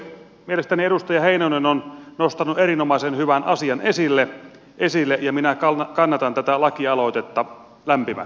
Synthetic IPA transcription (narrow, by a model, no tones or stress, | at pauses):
mielest̪æniedust̪ɑjɑheinonenonnost̪ɑnueɾinomɑisenhyʋænʔɑsiɑnesilːe | ʔesilːeʔjɑminækɑkɑnːɑt̪ɑnt̪æt̪ælɑkiɑlo̞t̪et̪ːɑ | læmpimæ̰